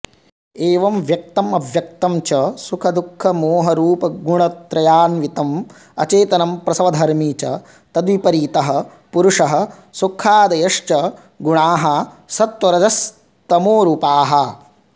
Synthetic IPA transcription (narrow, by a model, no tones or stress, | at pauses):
eːʋɐmʋjɐk̚t̪ɐmɐʋʱjɐk̚t̪ɐmt͡ʃɐsukʰɐd̪ukʰːɐmoːɦɐɾuːpɐɡuɳɐt̪ɾɐjaːnʋit̪ɐm | ɐ̰t͡ʃeːt̪ɐnɐmpɾɐsɐʋɐd̪ʱɐɾmiːt͡ʃɐ̰ | t̪ɐd̪ʋipɐɾiːt̪ɐɦɐ | puɾuʂɐɦɐ̆ | sukʰːaːd̪ɐjɐʂt͡ʃɐ | ɡuɳaːɦɐsɐt̪ʋɐɾɐd͡ʒɐs | t̪ɐmoːɾuːpaːɦɐ